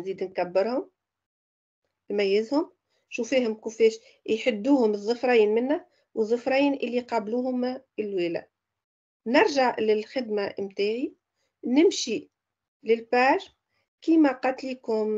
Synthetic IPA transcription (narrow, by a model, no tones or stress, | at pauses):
nziːd̪nkæbːɪɾhʊm | lmæjːɪzhʊm | ʃufiːhʊmkufɛːʃ | jħɪd̪ːuːhʊmɨðˤːʊfɾˤɑjiːnmɪnːæ | wəðˤːʊfɾˤɑjiːnʔɪlːiqɑːbluːhʊmɪlwiːlæ̰ | nɪɾˤʒaʕlɪlxɪd̪mamt̪æːʕi | nɪmʃi | lɪlbaːʒ | kiːmæqɑt̪likʊm